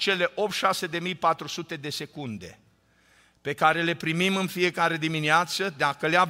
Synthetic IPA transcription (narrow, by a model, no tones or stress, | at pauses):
t͡ʃe̞le̞ʔo̞p̚t̪ʃase̞d̪e̞mijpat̪ɾusut̪e̞d̪e̞se̞kund̪ḛ | pe̞kaɾe̞le̞pɾimimɨnfije̞kaɾe̞d̪imineat̪səd̪akəlea